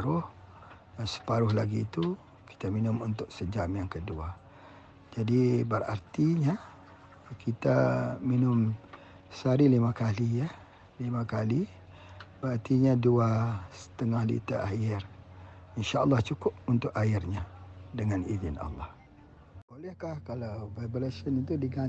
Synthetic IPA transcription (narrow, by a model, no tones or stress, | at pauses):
ɾʊh | sə̥paɾʊhlaɡiːt̪u | ki̥t̪aminʊmunt̪ʊk̚səd͡ʒamjaŋkədua | d͡ʒadibəra̰rt̪iɲa | kʰit̪aminʊm | saɾilimakalijəh | limãkali | bəɾart̪iɲaduasə̥t̪əŋahlḭt̪aʔajɪr | inʃaəlːɑht͡ʃukʊp̚unt̪ʊʔajɪrɲadəŋanizɪna̰lːɑh | bolɛhkahkalawvabolasənit̪̬udiɡa